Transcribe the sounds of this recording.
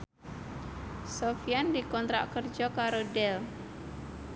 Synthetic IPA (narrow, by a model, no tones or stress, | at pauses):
sofijandikɔnt̪ɾa̰ʔkərd͡ʒɔkaɾodɛl